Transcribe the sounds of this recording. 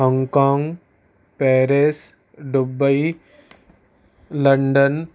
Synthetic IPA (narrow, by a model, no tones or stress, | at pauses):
ɔŋkaːŋɡ | pɛːɾes | ɖʊbəi | lɐɳɖən